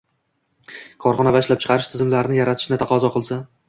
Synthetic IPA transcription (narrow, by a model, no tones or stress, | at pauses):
kʰɒɾχɒnavaɪʃlap̚t͡ʃʰɨ̥qʰɑɾɪʃt̪ʰɪzɪmlaɾɪnɪjaɾat̪ʰɪ̥ʃnɪt̪ʰɑqɒzɒqʰɨlˠsa